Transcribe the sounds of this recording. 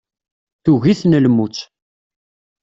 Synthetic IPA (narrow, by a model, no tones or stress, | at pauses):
θuɣiθnəlmut͡sː